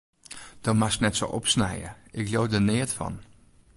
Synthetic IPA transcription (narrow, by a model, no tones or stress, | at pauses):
d̥ɔmasknɛtso̰ʔɔpsnɛ̰jə̰ɪkljoːdənɪətfɔ̰n